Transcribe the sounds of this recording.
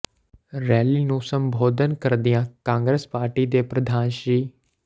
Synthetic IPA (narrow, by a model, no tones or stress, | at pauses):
ɾɛːlinũsɐ̃mbʱoːd̪ʱənkɐɾd̪ijãːkãːŋɡɾespaːɾʈid̪eːpɾɐd̪ʱaːnʃiː